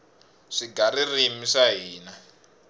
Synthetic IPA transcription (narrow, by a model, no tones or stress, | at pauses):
ʂiɡaɾirimiʂaɦiːna